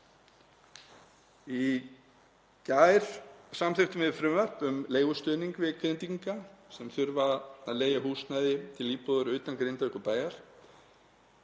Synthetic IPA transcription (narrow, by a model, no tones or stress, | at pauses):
i | caːjɾ̥samθɪft̪ʏmɪðfɾʏmvœr̥pʏmleːjɣʏst̪ʏːniŋkvɪkʰvɪnt̪iŋkasɛmθʏɾvaa̰ðleːjaɦuːst̪najðɪt̪ʰɪlːiːpɔðʏɾʏːt̪ankɾɪnt̪aʏhkʏɾpaːjaɾ̥